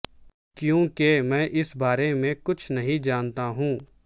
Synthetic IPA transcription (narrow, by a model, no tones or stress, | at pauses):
kjõːkemɛ̃ːʔɪsbaːɾemẽkʊt͡ʃʰnɐɦĩd͡ʒaːnt̪aɦũː